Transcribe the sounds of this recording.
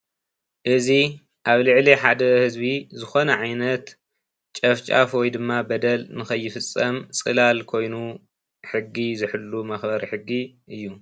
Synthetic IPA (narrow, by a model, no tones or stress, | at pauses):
ʔɨzi | ʔaβlɨʕliħad̪ɐhɨzbizɨxo̞nɐʕajnɐt̪ | t͡ʃʼɐft͡ʃʼa̰fwɔjd̪ɨmːabɐd̪ɐlnɨxɐjːɪfɨt͡sʼːɐmt͡sʼɨlalkʰo̞jnu | ħɨɡːizɨħɨlːumɐxbɐɾiħɨɡːiʔɨjːu